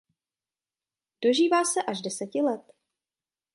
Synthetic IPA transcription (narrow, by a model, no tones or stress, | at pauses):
d̥o̞ʒiːvaːsɛʔaʒdɛsɛcɪlɛt̪